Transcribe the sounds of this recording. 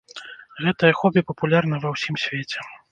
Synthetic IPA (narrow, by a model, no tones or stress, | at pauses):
ɣɛt̪ɐjɐxɔbʲipɐpulʲarnɐvɐwsʲimsʲvʲet͡sʲɛ